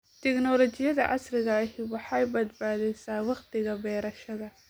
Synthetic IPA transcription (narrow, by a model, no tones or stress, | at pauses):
t̪ʰɛknɔlɔt͡ʃɪjɐðɐ̰ʔɑ̰srɪɣɐɦɪwɑħɑjbɐd̪baːðɛjsaːwɑqt̪ɪɣɐbɛːɾɐʃɐðɐ